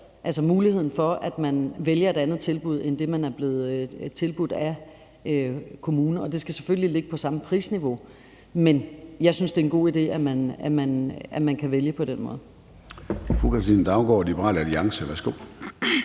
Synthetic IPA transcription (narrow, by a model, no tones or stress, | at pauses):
ʔælsɐmuːlihe̝ð̞̰ˠn̩fɒ̽ʔæd̥mænʋeljɐe̝ɾænð̞̩ˠt͡sʰe̝lb̥uð̞̰ˠend̥e̝mænæɐb̥le̝ːð̞̩ˠt͡sʰe̝lb̥ud̥æ | økʰo̝muːnɐɒ̽d̥e̝sɡ̥æse̥føllile̝ɡ̥əpʰɒ̽sɑ̈məpʰʁḭːsniʋo̝ | menjɑ̈ɪsynsd̥e̝enɡ̥o̝̰ːid̥e̝̰ːæmænæmænæmænkʰæʋeljəpʰɒ̽d̥enmɔ̽ːð̩ˠ | fʁukʰɑsd̥ḭnd̥ɑ̈ʊnɡ̥ɒ̰ːlib̥əʁɑ̰ːlæliɑ̈ŋsəʋæɐsɡ̥o̝̰ː